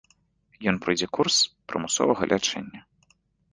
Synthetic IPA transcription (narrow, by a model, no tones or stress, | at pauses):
jɔnpɾɨjd͡zʲɛkurspɾɨmusɔ̰vɐɣɐ̰lʲʔat͡ʂɛ̰nʲːɐ